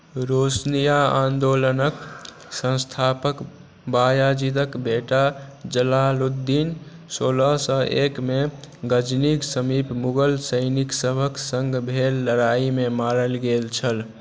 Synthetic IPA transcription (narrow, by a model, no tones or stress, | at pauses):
ɾosnijaãnd̪olənək | sə̃st̪ʰapək | bajad͡ʒid̪əkbeʈad͡ʒəlalut̪̚d̪ːin | soːləɦsə̃ʔekmeɡəd͡ʒniksəmipmuɡəlsəjniksəbʱəksəŋɡbʱelːəɾaimemaɾəlɡelt͡ʃʰəl